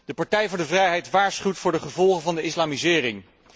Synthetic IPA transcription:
d̥əpɑɹtɛjvʊːɹdəvrɛjɦɛjtʋaːɹsχywtfʊːɹdəχəvɔlˠχənvɑndəɪslaːmizɪːrɪŋ

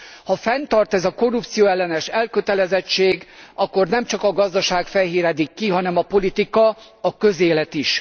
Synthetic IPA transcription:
hɒfɛnt̪ɒrt̪ɛzɒko̞rup̚t̪sijoːɛlːɛnɛʃɛlkøt̪ɛlɛzɛt͡ʃːeːɡɒkːo̞rnɛmt͡ʃɒkɒɡɒzd̪ɒʃaːkfɛɦiːɾɛd̪ikːiɦɒnɛmɒpo̞lit̪ikɒ | ɒkøzeːlɛt̪iʃ

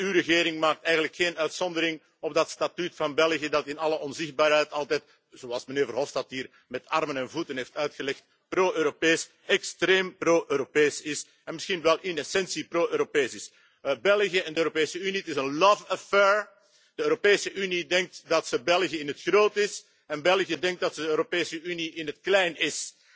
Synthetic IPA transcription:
yrəɣeːɾɪŋmaːk̚tɛjɣənləkxeːnœɥtsɔndəɾɪŋ | ɔb̚dɑtstatytfɑnbɛlˠɣijədɑtɪnɑləɔnzɪxd̚baːɾɦɛjtɑlˠtɛt̚ | z̥oɑlˠsməneːrvərɦɔfstɑtɦiːr | mɛtɑrmənɛnvutənɦeːftœɥtxəlɛxt̚ | proːʔøːɾopeːs | ɛkstreːmproːʔøːɾopeːsɪs | ɛnmɪsxinʋɛlˠʔɪnɛsɛnsiproːʔøːɾopeːsɪs | bɛlˠɣjəɛndəøːɾopeːsəynitɪsənlɔvəfɛɹ | d̥əøːɾopeːsəʔynidɛŋk̚tdɑtsəbɛlˠɣijəɪnətxroːtɪs | ɛnbɛlˠɣijədɛŋk̚dɑtsəøːɾopeːsəyniʔɪnɦətklɛjnɪs

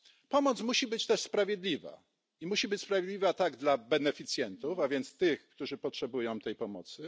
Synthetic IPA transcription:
pɔmɔt̪smuɕibɘt͡ɕt̪ɛʂspɾavʲjɛd̪lʲiva̰ | imuɕibɘt͡ɕspɾavʲjɛd̪lʲivɘat̪aɡd̪labɛnɛfʲit̪sʲjɛnt̪ufavʲjɛnt̪st̪ɘxkt̪uʐɘpɔtʂɛbujɔ̃w̃t̪ɛjpɔmɔ̰t̪sɘ

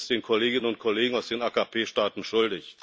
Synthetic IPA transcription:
sd̥eːnkʰɔleːɡɪnənʊnt̚kʰɔleːɡŋ̩aʊsd̥eːnaːkapʰeːʃtaːtn̩ʃʊldɪç

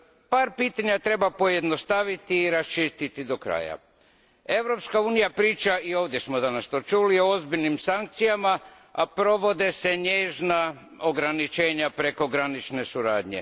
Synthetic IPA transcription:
paːɾpiːt̪aɲat̪ɾe̞bapo̞je̞d̪nost̪aʋit̪iːɾast͡ʃist̪it̪id̪o̞kɾa̰ːja̰ | e̞ʋɾo̞pskauːnijapɾiːt͡ʃaio̞ːʋd̪je̞smod̪anast̪o̞t͡ʃulio̞ozbiʎnimsaŋk̚t̪sijama | apɾo̞ʋo̞d̪e̞se̞ɲe̞ːʒna | oɡɾanit͡ʃe̞ːɲapɾe̞ko̞ɡɾanit͡ʃne̞suɾa̰ːd̪ɲḛ

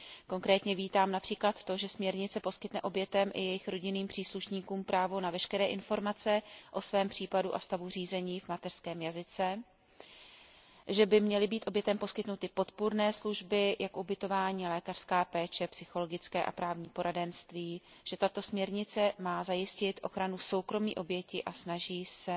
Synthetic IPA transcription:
ko̞ŋkɾɛːt̪ɲɛviːt̪aːmnapr̥iːklat̪ːo̞ʒɛsmɲɛɾɲɪt͡sɛpo̞skɪt̪nɛʔo̞bjɛt̪ɛmʔɪ̰jɛjɪxɾo̞ɟɪniːmpr̥iːsluʃɲiːkuːmpɾʔaːvo̞navɛʃkɛɾɛːʔɪnfo̞ɾmat͡sɛʔo̞svɛːmpr̝̥iːpaduʔa̰st̪avur̝iːzɛɲiːvmat̪ɛr̥skɛːmjazɪt͡sɛ | ʒɛbɪmɲɛlɪbiːt̪ʔo̞bjɛt̪ɛmpo̞skɪt̪nut̪ɪpo̞t̪puɾnɛːsluʒbɪjakʔubɪt̪o̞vaːɲiːlɛːkar̥skaːpɛːt͡ʃɛpsɪxo̞lo̞ɡɪt͡skɛːʔa̰pɾaːvɲiːpo̞ɾadɛnst̪viː | ʒ̥ɛt̪at̪o̞smɲɛɾɲɪt͡sɛmaːzajɪscɪt̪ʔo̞xɾanuso̞wkɾo̞mḭːʔo̞bjɛcɪʔasnaʒiːsɛ

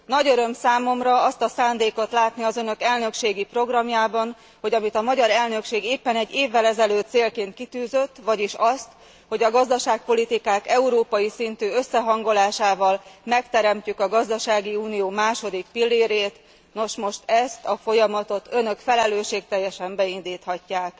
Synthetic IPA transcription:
nɒɟøɾø̞msaːmo̞mrɒɒst̪ɒsaːnd̪eːko̞t̪laːt̪niɒzønø̞kɛlnø̞kʃeːɡipro̞ɡrɒmjaːbɒn | ho̞ɟɒmit̪ɒmɒɟɒɾɛlnø̞kʃeːɡeːpːɛnɛɟːeːvːɛlɛzɛløːt̪seːlkeːnt̪̚kit̪yːzø̞t̪ːʋɒɟiʃɒst̪ | ho̞ɟɒɡɒzd̪ɒʃaːk̚po̞lit̪ikaːkɛuɾoːpɒjisint̪yːø̞sːɛɦɒŋɡo̞laːʃaːvɒlmɛkt̪ɛɾɛmcykɒɡɒzd̪ɒʃaːɡiuːnijoːmaːʃo̞d̪ik̚pilːeːɾeːt̪ | no̞ʃmo̞ʃt̪ɛst̪ɒfo̞jɒmɒt̪o̞t̪ø̞nø̞kfɛlɛløːʃeːk̚t̪ɛjːɛʃɛmbɛind̪iːt̪hɒcːaːk

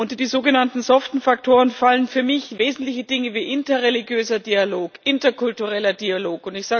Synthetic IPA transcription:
ʊntd̥iːzoːɡənantn̩zɔftn̩fak̚tʰoːʁ̞ənfalənfyːɐmɪçveːzn̩tlɪçəd̥ɪŋəviːʔɪntɐʁeliɡjøːzɐdiːaloːkʔɪntɐkʰʊltuʁɛlɐdiːaloːkʊntɪçz̥aː

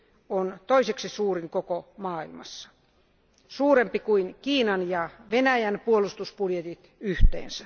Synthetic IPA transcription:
ont̪oiseksisuːriŋkokomɑːilmɑ̰sːɑ̥ | suːrempikuinkiːnɑnjɑʋenæjænpuolust̪uspuljet̪it̪yht̪ḛːnsæ

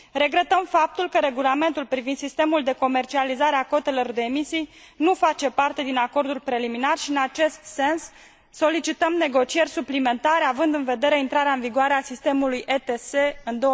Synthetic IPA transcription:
ɾe̞ɡɾe̞t̪əmfap̚t̪ulkəɾe̞ɡulame̞nt̪ulpɾivind̪sist̪e̞muld̪e̞ko̞me̞rt͡ʃializaɾe̞ako̞t̪e̞lo̞rd̪e̞ːmisij | nufat͡ʃe̞part̪e̞d̪inako̞rd̪ulpɾe̞liminarʃiɨnat͡ʃe̞st̪se̞nsː | o̞lit͡ʃit̪əmne̞ɡo̞t͡ʃie̞rʲsuplime̞nt̪aɾeavɨnd̪ɨnve̞d̪e̞ɾe̞int̪ɾaɾeaɨnviɡoaɾeasist̪e̞mulujʔet̪ese̞ɨnd̪o

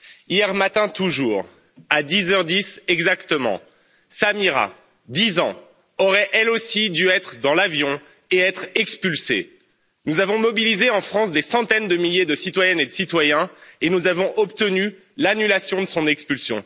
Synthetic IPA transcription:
ijɛʁmat̪ɛ̃t̪uʒuːʁ | ad̪izœʁd̪isɛɡzakt̪əmɑ̰̃ | samiʁa̰ | d̪izɑ̃ | ɔʁɛʔɛlosid̪yɛt̪χd̪ɑ̃lavjɔ̃ | eɛt̪χɛkspylsḛ | nuzavɔ̃mɔbilizeɑ̃fχɑ̃sd̪esɑ̃t̪ɛnd̪əmiljed̪əsit̪wajɛned̪əsit̪wajɛ̃enuzavɔ̃ʔɔp̚t̪əny | lanylasjɔ̃d̪əsɔ̃nɛkspylsjɔ̰̃

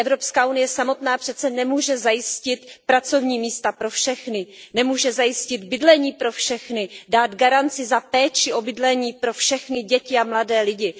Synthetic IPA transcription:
ʔɛvɾo̞pskaːʔunɪjɛsamo̞t̪naːpr̥ɛt̪t͡sɛnɛmuːʒɛzajɪscɪt̪pɾat͡so̞vɲiːmiːst̪apɾo̞fʃɛxnɪnɛmuːʒɛzajɪscɪd̪bɪdlɛɲiːpɾo̞fʃɛxnɪdaːd̪ɡaɾant͡sɪzapɛːt͡ʃɪʔo̞bɪdlɛɲiːpɾo̞fʃɛxnɪɟɛcɪamladɛːlɪɟɪ

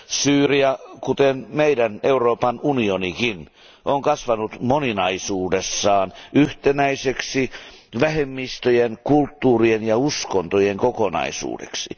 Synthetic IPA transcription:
syːriɑkut̪enmeidæneuroːpɑnunionikin | ʔoŋkɑsʋɑnut̪moninɑisuːdesːɑːnyht̪enæiseksi | ʋæhemːist̪øjenkult̪ːuːrienjɑuskont̪ojeŋkokonɑ̰isṵːdḛksḭ

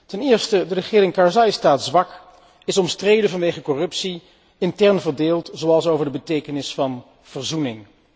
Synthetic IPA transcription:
tɛnɪːɹstədərəχɪːɾɪŋkɑɹzajstaːtzʋɑk | ɪsɔmstrejdənvɑnʋejχəkɔrɵpsi | ɪntɛɹnvəɹdeːlˠtzowɑlˠsowvəɹdəbətejkənɪsfɑn | v̥əɹzunɪŋ

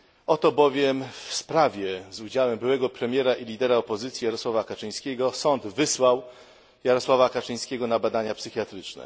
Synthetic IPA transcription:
ɔt̪ɔbɔvʲjɛmfspɾavʲjɛzud͡ʑawɛmbɘwɛɡɔpɾɛmʲjɛɾaʔilʲid̪ɛɾaɔpɔzɘt̪sʲjijaɾɔswavakat͡ʂɘj̃skʲɛɡɔsɔnd̪vɘswaw | jaɾɔswavakat͡ʂɘj̃skʲɛɡɔnabad̪aɲapsɘxʲjat̪ɾɘt͡ʂnɛ̰

